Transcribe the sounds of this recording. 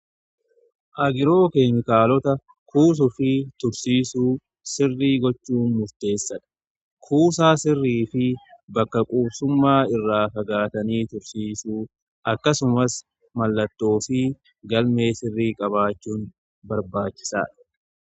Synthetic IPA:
ʔɐɡɪɾo̞ːkeːmɪkaːlɔt̪ɐ | kʰuːs̬ʊfɪt̪ʊɾsiːsuː | sɪrːiːɡɔt͡ʃːuːnmʊɾt̪e̞ːsːɐᶑ̪ɐ̥ | kʰuːsaːsɪrːiːfɪbɐkːɐkʼuːbsʊmːaːɪrːaːfɐɡaːt̪ɐniːt̪ʊɾsiːsuː | ʔɐkːɐsʊmɐs | mɐlːɐt̪ːo̞ːfɪ | ɡɐlme̞ːsɪrːiːkʼɐβaːt͡ʃːuːn | bɐɾbaːt͡ʃːɪ̥sa̰ːᶑɐ̥

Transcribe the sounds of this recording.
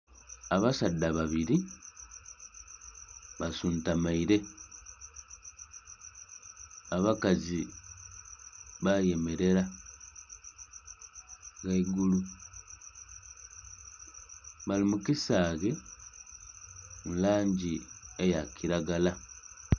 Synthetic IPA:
aβasadːaβaβiɾi | βasuntamaiɾe̞ | aβakazi | βaje̞me̞ɾe̞ɾa | ɣaiɡulu | βalimukisaɣe | munlaːɲɟiejakʰiɾaɡala

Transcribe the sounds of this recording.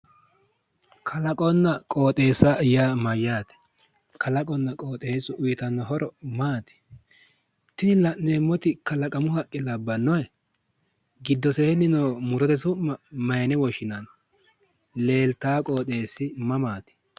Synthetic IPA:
kʰɐlɐkʼɔnːɐkʼo̞ːt̪ʼe̞ːsɐjaːmɐjːaːt̪ɛ̥ | kʰɐlɐkʼɔnːɐkʼo̞ːt̪ʼeːsʊʔʊjɪt̪ɐnːɔɦɔɾɔmaːt̪ɪ̥ | t̪ɪnɪlɐʔneːmːɔt̪ɪkɐlɐkʼɐmʊɦɐkʼːɪlɐbːɐnːɔjɛ | ɡɪd̪ːɔsehɛnːɪnoːmʊɾɔt̪ɛsʊmːɐmɐjnɛwɔʃɪnɐn | leːlt̪aːkʼo̞ːt̪ʼe̞ːsːɪmɐmaːt̪ɪ̥

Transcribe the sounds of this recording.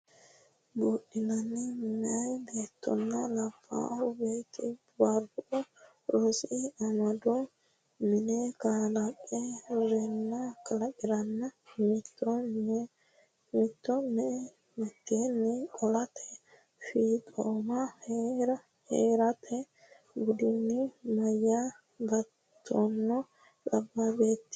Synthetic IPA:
buːɗɪnɐnːɛmɛɐjb̪eːt̪ʰːɔ̰nːɐlɐfːa̰ːʔɐwbeːt̪ʰɪ | bɐɾʊʔɔ | ɾosɪɐmɐd̪ɔ | mɪnɛkaːlɐkʼːɛɾɛnːɐkʰɐlɐkʼɪɾɐnːɐmɪt̪ːɔnɛ | mɪt̪ːɔnɛ | mɪt̪ːenːɛkʼɔlɐt̪ʰɛ̥ | fiːt̪ʼoːmɐhɾɐ | heːɾɐt̪ʰɛ | ɡʊd̪ɪnːɪmɐjːa | bɐ | t̪ʰːɔnːɔ | kʼɐbːabeːt̪ːɪ̥

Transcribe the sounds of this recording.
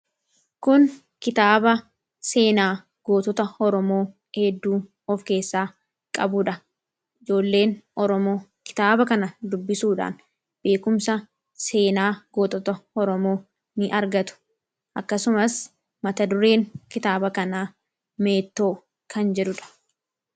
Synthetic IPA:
kʊn | kɪt̪aːbɐ | se̞ːnaː | ɡ̥o̞ːt̪ɔt̪ɐɔɾɔmo̞ː | hɛd̪ːuː | ɔfke̞ːsːaː | kʼɐbʊᶑɐ | ʔɪd͡ʒo̞ːlːe̞ːnʔɔɾɔmoːkɪ̥t̪aːbɐkɐnɐd̪ʊbːɪsuːᶑa̰ːn | b̥e̞ːkʊmsɐ | se̞ːnaːɡoːt̪ɔt̪ɐɔɾɔmo̞ː | nɪʔɐɾɡɐt̪ʊ̥ | ʔɐkːɐsʊmɐs | mɐt̪ɐd̪ʊɾe̞ːŋkɪt̪aːbɐkɐnaː | me̞ːt̪ːo̞ː | kʰɐnd͡ʒɛᶑʊᶑɐ̥

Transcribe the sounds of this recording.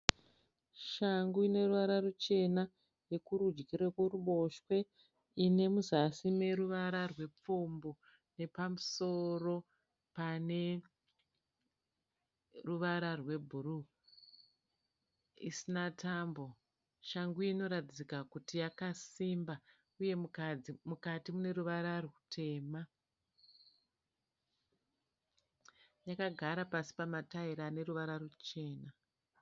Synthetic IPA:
ʃaŋɡuine̞ruʋaɾarut͡ʃe̞na | je̞kuɾud͡ʒɡiɾekuruɓo̞ʃwe̞ | ine̞muzasime̞ɾuʋaɾarwe̞p͡fombo | ne̞pamuso̞ro̞ | pane̞ | ruʋaɾarwe̞bʱuɾu | ḭsinataːmbo̞ | ʃaŋɡuino̞ɾatid͡zikakutijakasimba | uje̞mud͡zimukatimune̞ruʋaɾarutʰe̞ːma | jakaɡʱaɾapasi̥pamataiɾane̞ruʋaɾarut͡ʃe̞ːna

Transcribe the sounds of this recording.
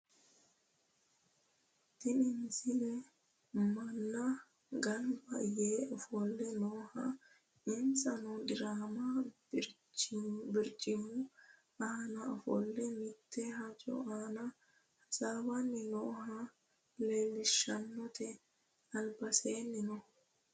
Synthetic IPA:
t̪ɪnɪnsɪnɛ | mɐnːɐ | ɡɐnbɐjeːʔɔfɔlːɛnoːhɐ̰ | ɪnsɐnɔd̪ɪɾaːmɐ | bɪɾt͡ʃʼːɪmʊ | ɐhnɐɔfɔ̰lːɛmɪt̪ːɛhɐt͡ʃʼɔ̰ʔaːnɐ | hɐsaːbɐnːɪnoːhɐ | leːlːɪʃɐnːɔt̪ʰɛ | ɐlbɐseːnːɪnɔ

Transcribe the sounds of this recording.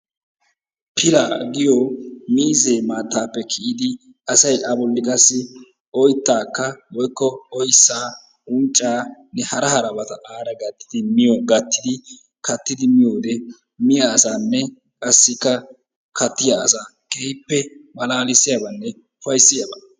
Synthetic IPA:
pʰɪlaɡɪjɔmiːze̞ːmaːt̪ːaːpːɛkʰɪʔɪd̪ɪ | ɐsɐjʔɐbɔlːɪkʼɐsːɪ | ʔɔjt̪ːaːkːɐwɔjkːɔɔjsːaː | ʊnt͡ʃʼːaːnːɛhɐɾɐhɐɾɐbɐt̪ɐʔaːɾɐɡɐt̪ːɪd̪ɪmɪjɔɡɐt̪ːɪd̪ɪ | kʰɐt̪ːɪd̪ɪmɪjoːd̪ɛ | mɪjaːsaːnːɛ | kʼɐsːɪkːɐ | kʰɐt̪ːɪjaːsaː | ɡejpːɛmɐlaːlɪsːɪjɐbɐnːɛ | fɐjsːɪjɐbɐ

